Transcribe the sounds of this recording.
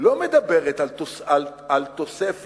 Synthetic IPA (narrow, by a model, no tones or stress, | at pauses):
lomed̪abeʁet̪aloalalt̪o̞sef